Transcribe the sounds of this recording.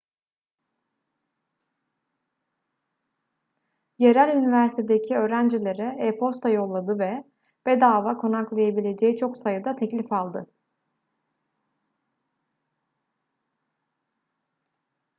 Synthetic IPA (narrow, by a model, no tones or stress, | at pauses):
je̞ɾælʲynivæɾsit̪ʰed̪ecʰiø̞ːɾænd͡ʒilʲe̞ɾɛepʰo̞st̪ʰajo̞lˠːad̪ɯvɛ | b̥ed̪aːvakʰo̞naklˠajabilʲe̞d͡ʒeit͡ʃʰo̞ksajɯd̪at̪ʰɛclʲifalˠd̪ɯ